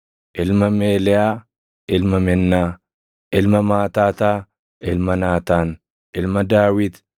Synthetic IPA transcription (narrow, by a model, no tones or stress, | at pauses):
ʔɪlmɐmeːlɛaː | ɪlmɐmɛnːaː | ʔɪlmɐmaːt̪aːt̪aː | ʔɪlmɐnaːt̪aːn | ʔɪlmɐd̪aːwɪt̪